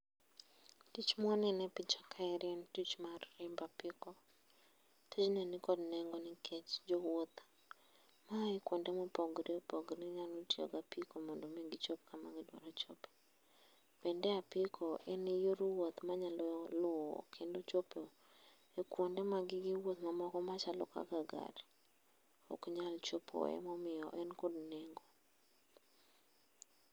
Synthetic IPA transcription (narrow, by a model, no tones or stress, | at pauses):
tit͡ʃmɔnɛnɛpɪt͡ʃɔ̥kʰaɛɾjɛntit͡ʃmarːɪmbapɪkɔ | tʰet͡ʃnɛnɪkɔdnɛŋɡonɪkʰet͡ʃd͡ʒowot̪ | maekwondemopoɡɾiopoɡniɲalotio̰ɡapikomɔndomeɡɪt͡ʃop̚kama̰ɡɪdwɔ̰ɾɔt͡ʃope̥ | pɛndɛapɪkʰɔʔɛnɪjoɾwot̪maɲallʊɔ̰kʰendot͡ʃope | ekwondemaɡɪɡɪwot̪mamɔkɔmat͡ʃalɔ̰ka̰ɡaɡa̰ɾi | o̰kɲalt͡ʃopʰo̰ɛ̰mɔmɪjɔʔɛnkodnɛŋɡo